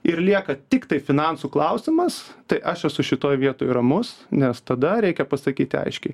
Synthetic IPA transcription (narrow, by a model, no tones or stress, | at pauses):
ɪɾlʲiɛkɐt̪ʲɪkt̪ɐɪfʲɪnɑnsuːklˠɐʊsʲɪmɐst̪ɐɪʔɐʃɛsʊʃʲɪt̪oːjʋʲiɛt̪oːjɾɐmʊsnʲɛst̪ɐd̪ɐɾʲɛɪkʲɛpɐsɐkʲiːt̪ʲɪɐ̰ɪʃʲkʲɛɪ